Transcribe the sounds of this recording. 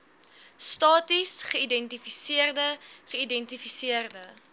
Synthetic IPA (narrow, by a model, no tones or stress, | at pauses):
stɑːtisχəidɛntifisiərdəχəidɛntifisiərdə